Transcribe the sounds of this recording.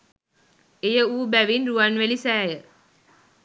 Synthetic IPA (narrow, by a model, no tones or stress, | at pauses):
ejəuːbæʋinruʋanʋelisæːjə